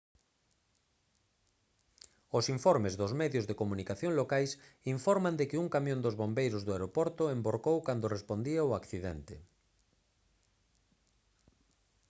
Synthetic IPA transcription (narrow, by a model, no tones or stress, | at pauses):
ʊsiɱfɔɾmɪzðʊzmɛðjozðekomunikaθjoŋlokajsiɱfɔɾmand̪ekɪuŋkamjõnd̪ozβombejɾʊzðoaeɾopɔɾt̪ʊemboɾkowkand̪orespond̪iaoakθiðɛnt̪e